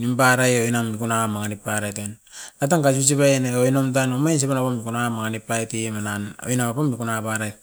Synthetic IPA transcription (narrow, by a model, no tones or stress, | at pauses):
nimbaɾajojnamːikunamaŋanipːaɾajtonat̬aŋkas̬us̬iβajneojnomt̬anomajns̬epenapamːikunamaŋanipːaetimanano̰jnamapamːikunapaɾaj